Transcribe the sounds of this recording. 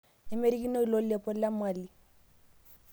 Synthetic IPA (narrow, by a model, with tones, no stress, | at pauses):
ɪ˦me˦ɾi˦ki˦nɔ˦i˦lo˦lɛ˨pʼɔ˦la˦mwaː˨li˨